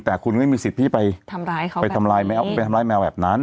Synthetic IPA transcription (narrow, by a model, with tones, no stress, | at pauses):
t̪ɛː˨˩kʰu˧nma˥˩jmiː˧si˨˩t̪̚t̪ʰiː˥˩pa˧j̪ʰaː˧pa˧jt̪ʰa˧mlaː˧jma˦˥˧pa˧t̪ʰa˧mlaː˧jmɛː˧wbɛː˨˩p̚na˦˥n